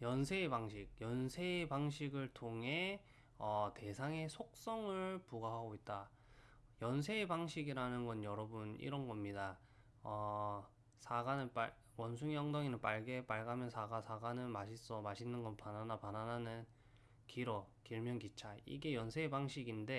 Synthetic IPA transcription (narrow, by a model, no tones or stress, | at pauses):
jʌnsʰe̞ibaŋɕʰik̚jʌnsʰeːbaŋɕʰiɡɯɭtʰoŋɦe̞ | ʌte̞sʰaŋe̞sʰok̚s͈ʌŋɯɭpuɡaɦaɡoit̚t͈a | jʌnsʰeːbaŋɕʰiɡiɾanɯnɡʌnjʌɾʌbunḭɾʌnɡʌmɲida | ʌ | sʰaɡanɯnp͈a̰ | wʌns̬ʰuŋjʌŋdʌŋinɯnp͈aɭɡe̞p͈aɭɡamjʌnsʰaɡasʰaɡanɯnmaɕʰis͈ʌmaɕʰinːɯnɡʌnpananapanananɯn | kiɾʌkiɭmjʌnkit͡ɕʰaḭɡe̞jʌnsʰe̞ːbaŋɕʰiɡinde̞